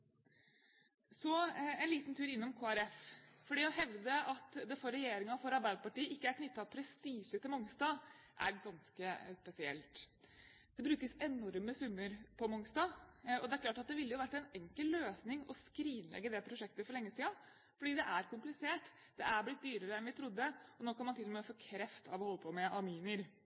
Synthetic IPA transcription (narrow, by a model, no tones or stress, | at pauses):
sɔɛɪnliːt̪nt̪ʰʉːɾɪnːɔmkʰoːæɾɛffɔɖiːæɦɛʋd̪əʔɑt̪d̪ɛfɔɾɛjeːɾɪŋɑfɔɾɑɾbæɪd̪əpɑʈiːəʔɪkːəæɾkʰnʏt̪ːɑpʰɾɛst̪iːʂət̪ʰɪlmɔŋst̪ɑː | ʔæ̰ɾɡɑnskəspɛsɪɛ̰lt̪ | d̪̥ɛbɾʉːkəsɛnɔɾməsʉmːəɾpʰɔmɔŋst̪ɑːɔd̪ɛæɾklɑːʈɑt̪̚d̪ɛʋɪlːəjʊʋæʈːɛɪnɛŋkəlløːsnɪŋɔskɾiːnlɛ̰ɡːəd̪ɛpʰɾʊʂɛk̚t̪əfɔɾɭɛŋːəsiːɑ | fɔɖiːd̪ɛʔæɾkʰʊmplɪseːʈ | d̪̥ɛʔæɾblɪt̪̚d̪yːɾəɾəɛnʋɪt̪ʰɾʊd̪ːəɔnoːkʰɑnmɑnt̪ɪlːɔmefoːkʰɾɛft̪ʰɑ̰ʋɔhɔlːəpʰɔmɛʔɑɾmyːnəɾ